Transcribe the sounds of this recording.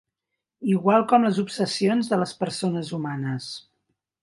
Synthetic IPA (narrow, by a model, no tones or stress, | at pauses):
iɣwalˠkɔmləzupsəsionzðələspəɾsonəzumanəs